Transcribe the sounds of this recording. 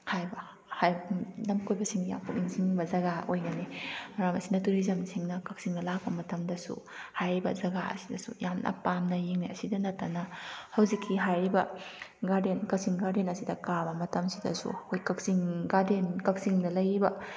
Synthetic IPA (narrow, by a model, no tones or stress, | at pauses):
hajbɐ | hajbnɐmkʰojbɐsiŋja̰kʰukiŋsiŋbɐzɐɡaʔojɡɐnimɐɾamɐsinɐtuɾizɐmsiŋnɐkɐk̚siŋdɐlak̚pɐmɐtɐmdɐsṵ | hajɾibɐ̰zɐɡaɐ̰sidɐsṵjamnʔɐ̰pamnɐjiŋnaɐsidɐnɐtːanɐhɐwzikʰːiɦajɾibɐɡaɾdenkɐk̚siŋɡaɾdenɐsidɐkabɐmɐtɐmsidɐ̰sṵhojkɐk̚siŋɡadenkɐk̚siŋdɐlɐjbɐ